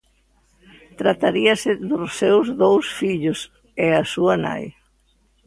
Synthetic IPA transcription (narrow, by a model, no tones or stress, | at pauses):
t̪ɾat̪aɾiɐsɪðʊssewzðowsfiʎʊs | ɛasuɐna̰j